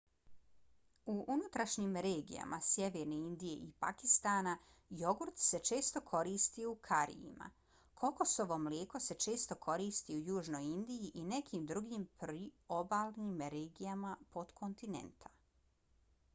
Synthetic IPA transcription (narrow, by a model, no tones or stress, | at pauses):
uʔunut̪ɾaʃɲimɾeːɡḭja̰mʔasjeʋeːɾneind̪ije̞̰ʔipakist̪aːna | jo̞ɡuɾt̪se̞t͡ʃe̞ːst̪o̞kʰo̞ɾiːst̪iukʰaɾḭjḭma̰ | kʰo̞kosoʋo̞ːmljeːko̞se̞t͡ʃe̞ːst̪o̞kʰo̞ɾiːst̪iujuːʒno̞jind̪ijiʔine̞kʰiːmd̪ɾuɡiːmpɾiobaːlniːmɾeːɡijamapo̞d̪kʰo̞nt̪inḛnt̪ʰḁ